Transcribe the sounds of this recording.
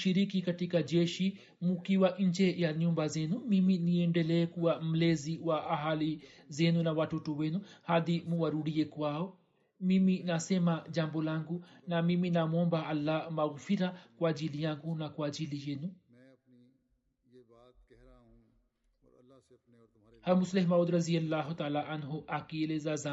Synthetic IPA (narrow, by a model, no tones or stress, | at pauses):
ʃiɾikikatikad͡ʒɛʃi | mukiwaʔɲ̩d͡ʒɛjaɲumbazɛnumiminiɛndɛlɛːkuam̩lɛziwaʔaɦalizɛnunawatɔtɔwɛnuhaðimuwaɾuɗiɛkwaɔ | miminasɛmad͡ʒambɔlaŋɡunamiminamɔmbaalːamaɣfiɾakwad͡ʒilijaŋɡunakwad͡ʒilijenu | halmuslɛhmaud̪ɾazialːaɦut̪alaʔanɦuʔakielezaza